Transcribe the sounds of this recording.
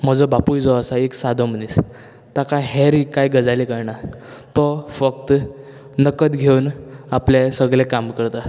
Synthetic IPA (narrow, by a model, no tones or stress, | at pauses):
m̤əd͡zɔbapujd͡zɔəsaeksad̪ʱɔm̤ənis | t̪akaɦɛɾikajɡəd͡zalikəɾɳa | t̪ɔfəkt̪ | nəkət̪ɡʱeunaplesəɡɭɛkamkəɾt̪a